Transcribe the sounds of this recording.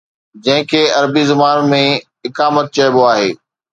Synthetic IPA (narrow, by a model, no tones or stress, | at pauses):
d͡ʑɐ̃ɦɪ̃kʰeːɐɾbizɪmaːnmẽ | ɪkaːmət̪̚t͡ɕɐɪboaːɦeː